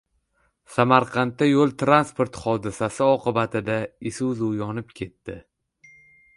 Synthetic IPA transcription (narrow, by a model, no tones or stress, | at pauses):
samaɾqʰɑnt̪ːajolˠt̪ʰɾanspo̞ɾt̪χɒd̪ɪsasɪɒqɨbat̪ʰɪd̪aɪsuzjɒnɪpkʲʰe̞t̪ːɪ